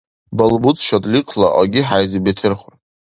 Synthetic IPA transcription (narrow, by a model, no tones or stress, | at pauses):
balbut͡sʰʃadʼliqʰʼlaʔaɡʲɪħajzibetʰɨrχʷ